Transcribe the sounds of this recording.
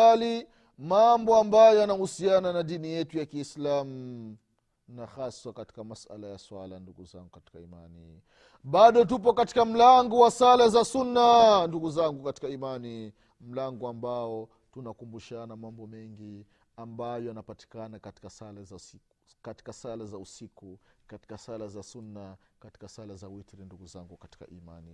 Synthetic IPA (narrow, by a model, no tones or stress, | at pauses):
ali | mambɔambajɔjanahusiananaɗinijɛtujakiːslamu | naxaswakati̥kamasa̰lajaswala̰nduɡuza̰ŋɡukati̥kaima̰ni | ɓaɗɔt̬up̬ɔkati̥kam̩laŋɡɔwasalazasunːanduɡuzaŋɡukati̥kaimani | m̩laŋɡɔambaɔ | tunakumbuʃanamambɔmɛŋɡi | ambajɔanapati̥kanakati̥kasalaza | kati̥kasalazausikukati̥kasalazasunːakati̥kasalazawitɾinduɡuzaŋɡukati̥ka̰ʔima̰ni